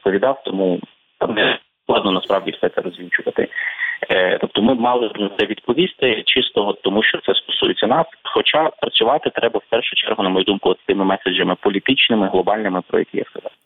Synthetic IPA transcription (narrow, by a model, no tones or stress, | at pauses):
pɔʋʲid̪ɑwt̪ɔmu | t̪ɑmnɛ | klˠɑd̪nɔnɐspɾɑʋdʲifsɛt̪sɛɾɔzʲʋʲilʲt͡ʃʊʋɐt̪ɪ̰ | t̪ɔp̚t̪ɔmɪmɑlˠɪd̪nt̪ɛʋʲid̪̚pɔʋʲist̪ɪt͡ʃɪst̪ɔɔt̪ːɔmuʃt͡ʃɔt̪sɛst̪ɔ̥sujet͡sʲːɐnɑsxɔt͡ʃɑpɾɐt͡sʲʊʋɑt̪ɪt̪ɾʔɛbɐwpɛrʃʊt͡ʃɛ̰rɦʊnɐmɔjud̪umkʊɔt̪ɪ̥t̪ɪmɪmɛsed͡ʒɐmɪpɔlʲit̪ɪt͡ʃnɪmɪɦlˠɔbɑlʲnɪmɪpɾɔ̰jɐ̰kʲija̰skɐzɑ̰w